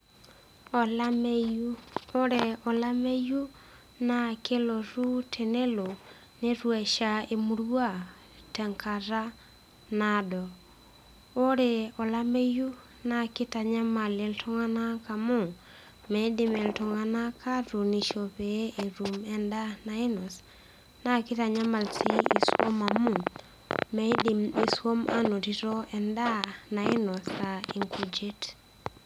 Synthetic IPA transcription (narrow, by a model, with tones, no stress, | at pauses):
ɔ˨lamuo˦ɾe˨ɔ˨la˦mɛ˦ju˦ | na˨ke˦lo˨ɾu˦tʰe˨ne˦lo˨ | ne˦ɾwɛ˨ʃa˨e˨mu˨ɾwa˦˨ | tɛ˨ŋkʰa˨ɾa˦ | na˨dɔ˨ | o˦ɾe˨ɔ˨la˦me˦ju˦ | na˨ke˦ta˨ɲa˦ma˨le˨ltʰo˦ŋa˦na˦ka˨mo˦˨ | me˨˦di˨mɛ˨ltɔ˨ŋa˦na˦kʰa˦ɾu˨ni˨ʃo˨pe˨˦ʔe˨ɾu˨mɛ˦nda˦na˨ɪ˦nɔ˨s | na˦kɪ˦ta˨ɲa˦ma˨lsi˦i˨swo̰˦ma˨mu˦˨ | me˦dimi˨swo˦mʔa̰˦no˨ti˦ɾɔ˦ɛ˨nda˦na˨ɪ˦nɔ˨ska˨i˨ŋku˨d͡ʒe˦t